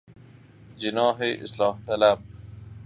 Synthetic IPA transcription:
d͡ʑinɑːɦeʔɪ̰slɑːht̪ɐlab̚

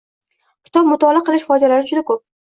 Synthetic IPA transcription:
kʲʰɪ̥t̪ʰɒp̚mʊt̪ʰɒlˠɪqʰɨlˠɪʃfɒjd͡ʒ̪alaɾɪd͡ʒʊd̪akʰɵp̚

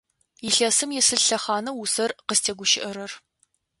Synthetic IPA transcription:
ɪɬɐsɨmjɛsɨɮɬɐχɑːnɐwusɐrqəstʰeːɡʷʊʃɪʔɐɾɐr

